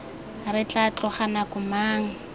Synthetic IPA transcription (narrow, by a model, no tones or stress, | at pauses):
rɪt͡ɬʼat͡ɬɔχanakʊmaːŋ̩